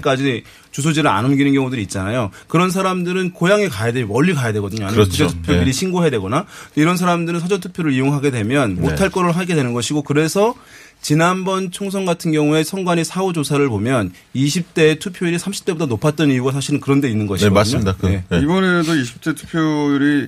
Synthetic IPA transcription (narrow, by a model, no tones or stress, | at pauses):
k͈ad͡ʑi | t͡ɕus̬ʰod͡ʑiɾɯɾa̰nɯmɡinɯnɡjʌŋudɯɾiːt̚t͡ɕ͈anajokɯɾʌns̬ʰaɾamdɯɾɯnkojaŋekajademʌʎːikajadwe̞ɡʌdɯɲoankɯdetʰu̥pʰjodɯɾiɕʰinɡoɦejadwe̞ɡʌnat͈oiɾʌnsʰaɾamdɯɾɯnsʰʌd͡ʑʌntʰupʰjoɾɯɾijoŋɦaɡe̞dwe̞mjʌnmotʰaɭk͈ʌɾɯɭɦaɡe̞dwe̞nɯnɡʌɕʰiɡokɯɾe̞sʰʌ | t͡ɕinanbʌnt͡ɕʰoŋsʰʌŋɡatʰɯnɡjʌŋue̞sʰʌŋɡwaɲisʰaud͡ʑosʰaɾɯɭpomjʌn | iɕʰip̚t͈e̞tʰupʰjoiɾisʰamɕʰi̥p̚t͈e̞budʰanopʰat̚t͈ʌnijuɡas̬ʰaɕʰiɾɯnkɯɾʌnde̞inːɯnɡʌɕʰiʌasɯɲoidakeibʌnedoiɕʰi̥p̚t͈e̞tʰu̥pʰjoɾi